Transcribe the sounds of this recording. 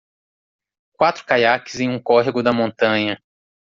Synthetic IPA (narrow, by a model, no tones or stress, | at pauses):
kwat̪ɾʊ̥kajakɪzẽj̃ũkɔɦiɡʊd̪ɐmõnt̪ɐ̃ɲɐ